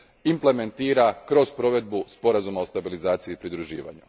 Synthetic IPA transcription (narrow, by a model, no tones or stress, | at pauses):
imple̞me̞nt̪iːɾakɾo̞spɾo̞ʋe̞d̪̚buspo̞ɾazumaost̪abilizaːt̪siiːpɾid̪ɾuʒḭːʋa̰ɲṵ